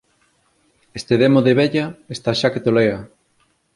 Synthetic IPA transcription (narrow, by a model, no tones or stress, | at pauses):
est̪eðemoðeβeʎɐest̪aʃaket̪olea